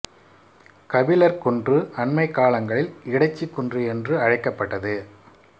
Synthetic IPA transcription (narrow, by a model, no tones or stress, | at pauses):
kɐʋɪlɐɾkɔndrɯɐnmɐɪkːaːlɐŋɡɐɭɪlɪɽɐɪt͡ʃːikːɔndrɯɛndrɯɐɻɐɪkːɐpːɐʈːɐðɯ